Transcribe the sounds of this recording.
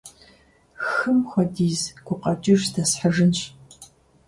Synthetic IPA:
xɨmxʷɔdiːzɡ̥ʷʊqɐt͡ʃʼɪʒdɐsħəʒɨnɕ

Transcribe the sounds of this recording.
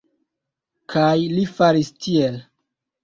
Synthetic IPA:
kʰajlifaɾistʰiel

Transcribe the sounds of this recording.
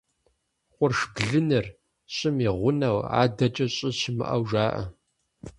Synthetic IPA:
qʷʊrʂbɮɨnɨr | ɕʼɪmiːʁʷʊnɐwa̰ːdɐt͡ʃʼɐɕʼɪɕɪmɨ̰ʔɐwʒaːʔɐ̰

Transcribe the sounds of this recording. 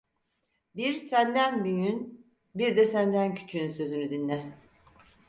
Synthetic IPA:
biɾsænd̪ænbyjyn | biɾd̪ɛsænd̪æncʰy̥t͡ʃʰyynsø̞zynyd̪inːɛ

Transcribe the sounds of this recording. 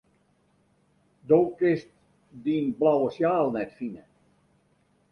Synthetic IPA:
doːkɪst̚ | dinblawəsjaːlˠnɛtfinə

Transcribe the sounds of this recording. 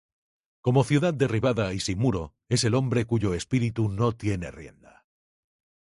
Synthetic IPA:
ko̞moθjuðað̚d̪e̞riβ̞aðaisimːuɾo | e̞se̞lo̞mbɾe̞kuʝoespiɾit̪uno̞t̪je̞nerje̞̰nd̪a

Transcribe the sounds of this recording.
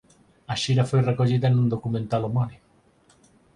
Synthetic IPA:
aʃiɾafojrekoʎiðaenund̪okument̪alomɔni

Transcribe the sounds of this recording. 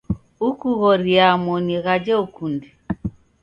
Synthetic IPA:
ukuɣɔɾiamɔniɣad͡ʒɛukundi

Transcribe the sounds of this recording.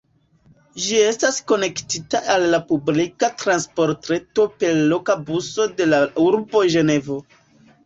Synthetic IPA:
ʒie̞stasko̞ne̞ktitaʔalːapublikatɾanspo̞ɾtɾe̞to̞pe̞lːo̞kabuso̞de̞lauɾbo̞ʒe̞ne̞vo̞

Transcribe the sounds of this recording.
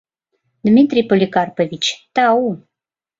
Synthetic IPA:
d̪mʲit̪ɾʲipolʲikarpəvʲit͡ɕt̪au

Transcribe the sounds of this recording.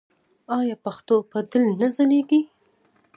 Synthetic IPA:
ɑjɑpaxt̪opad̪ɪlnazaneɡi

